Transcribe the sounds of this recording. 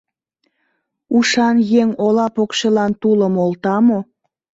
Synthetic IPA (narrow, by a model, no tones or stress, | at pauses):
uʃɑnjeŋolɑpokʃəlɑnt̪uləmolt̪ɑmo